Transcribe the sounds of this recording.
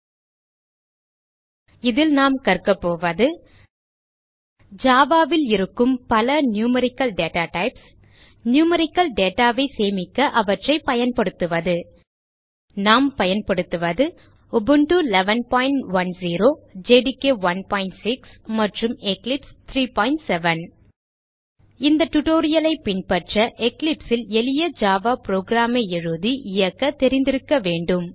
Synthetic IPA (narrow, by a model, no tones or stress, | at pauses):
ɪðɪlnaːmkɐɾkɐpːoːʋɐðɯ | d͡ʒaːʋaːʋɪlɪɾɯkːɯmpɐlɐnjuːmɐɾɪkːɐlɖeːʈaːʈɐɪps | njuːmɐɾɪkːɐlɖeːʈaːʋɐɪseːmɪkːɐʔɐʋɐʈrɐɪpɐjɐnpɐɽɯt̪ːɯʋɐðɯ | naːmpɐjɐnpɐɽɯt̪ːɯʋɐðɯ | ʊbɯɳʈulɛʋɐnpaːɪɳʈʋɐnsiːɾoːd͡ʒeːɖɪkːeːʋɐnpaːɪɳʈsɪksmɐʈrɯmɛklɪpst̪ʰɾiːpaːɪɳʈsɛʋɐn | ɪnd̪ɐʈʊʈoːɾɪjɐlɐɪpɪɳpɐʈrɐʔɛklɪpsɪlɛlɪjɐd͡ʒaːʋaːpɾoːɡɾaːmeːɪɻɯðiʔɪjɐkːɐt̪ːɛɾɪnd̪ɪɾɯkːɐʋeːɳɖɯm